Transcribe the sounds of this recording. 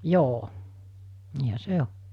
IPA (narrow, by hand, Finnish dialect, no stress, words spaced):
joː niːhæ se o